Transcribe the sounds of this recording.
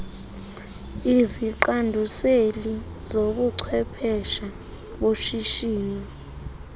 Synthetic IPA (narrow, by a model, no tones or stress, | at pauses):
iziǃandʱuseli | zoɓuǀʰwɛpʰɛʃa | ɓoʃiʃiːni